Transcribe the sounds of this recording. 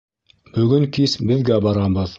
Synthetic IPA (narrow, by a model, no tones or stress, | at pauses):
bɵ̆ɡɵŋkisbɘ̆ðɡæbɑɾɑbɤð